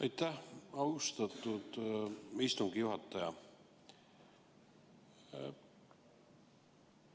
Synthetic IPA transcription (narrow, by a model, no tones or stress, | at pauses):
ɑjt̪ːæhɑust̪ɑt̪ːˑud̪̥ist̪uŋɡ̥ijuɦɑt̪ːˑɑjɑ